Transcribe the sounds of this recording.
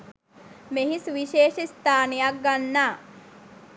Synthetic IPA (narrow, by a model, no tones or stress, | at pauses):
meɦisʋiʃeːʃist̪aːnejak̚ɡanːaː